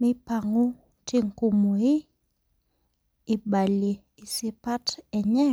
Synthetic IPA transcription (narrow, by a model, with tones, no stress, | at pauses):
mɪ˦pa˨ŋo˦ | te˦ŋko˨mo˨ɪ˦ | ɪ˨ba˨le˨ | ɪ˨sɪ˦pa˦tɛ˨ɲɛ˦